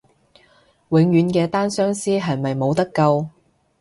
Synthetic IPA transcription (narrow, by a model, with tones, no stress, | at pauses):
wɪ˨˧ŋjyː˨˧nkɛː˧t̪aː˥nsœː˥ŋsiː˥ɦɐ˨jmɐ˨jmo˨˧wt̪ɐ˥kːɐ˧w